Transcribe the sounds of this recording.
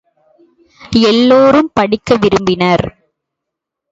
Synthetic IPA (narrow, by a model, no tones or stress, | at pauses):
ɛlːoːɾɯmpɐɽɪkːɐʋɪɾɯmbɪnɐɾ